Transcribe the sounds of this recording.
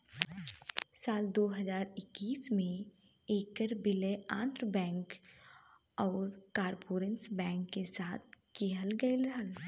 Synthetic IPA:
saːld̪oːɦəzaːɾɪkːiːsmẽ | eːkəɾbɪleã̰ːnd̪ɾəbɛ̃ːŋk | ɔːɾkaːɾpoːɾə̃nsbɛ̃ːŋkːesaːt̪̚ʰkeɦəlɡəɪlɾɐɦəl

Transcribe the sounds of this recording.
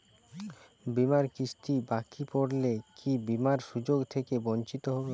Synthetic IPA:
bimaɾkiʃʈ̪ibakipoɽlekʰibimaɾʃud͡ʑoɡt̪ʰekebont͡ɕit̪oɦɔbe

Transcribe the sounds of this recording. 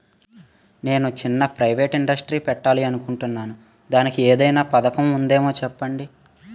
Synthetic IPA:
ne̞ːnut͡ʃinːɐpɾɐjʋe̞ːʈiɳɖɐsʈɾiːpɛʈːaːliɐnukuɳʈunːaːnu | d̪aːnikieːd̪ɐjnaːpɐd̪ɐkɐmund̪e̞ːmo̞ːt͡ʃɛpːɐɳɖi

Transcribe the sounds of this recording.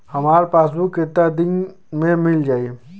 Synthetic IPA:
hɐmaːɾpaːs̬buket̪ːad̪ɪn | mẽmɪld͡ʒaːieː

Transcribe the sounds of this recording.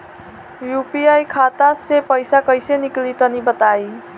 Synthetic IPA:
jupiajkʰat̪asepəjsakʌjseniklit̪ʌnibət̪aj

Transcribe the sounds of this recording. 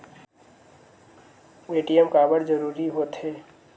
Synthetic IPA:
eʈijəmkaːbəɽd͡ʒəɾuːɾiɦoːt̪ɦeː

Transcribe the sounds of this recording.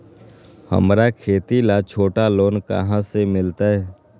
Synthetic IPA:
hə̰mɾakʰeːt̪ilat͡ʃʰoːʈaloːnkə̰ɦãsemɪlt̪aɦɛː

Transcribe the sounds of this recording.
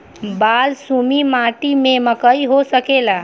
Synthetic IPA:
balsumimaʈimeməkəjɦosəkela

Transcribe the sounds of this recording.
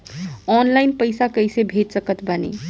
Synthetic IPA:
ɔnlaɪnpəɪsakəjsebʱet̪səkət̪bənḛ

